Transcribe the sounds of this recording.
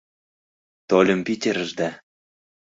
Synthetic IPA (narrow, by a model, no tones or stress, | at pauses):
t̪olʲɤ̆mpitʲeɾə̆ʒd̪æ